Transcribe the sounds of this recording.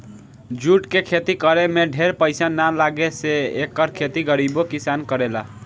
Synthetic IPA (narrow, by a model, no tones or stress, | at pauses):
d͡ʒuʈkekʰet̪ikəɾemeɖʱeɾpəɪjsanːalaɡeseekːəɾkʰet̪iɡəɾibokisankəɾela̰